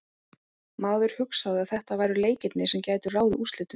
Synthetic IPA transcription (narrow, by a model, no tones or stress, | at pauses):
maːwðʏɾ̥hʏksaðɪaðθɛht̪avaːjɾʏleːjcɪt̪nɪsɛmcaːjt̪ʏraːwðɪʔust̪lɪt̪ʏ